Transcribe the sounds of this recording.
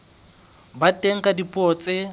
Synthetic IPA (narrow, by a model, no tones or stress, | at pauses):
batʼeŋ̩kʼadipʼɔt͡sʼɪ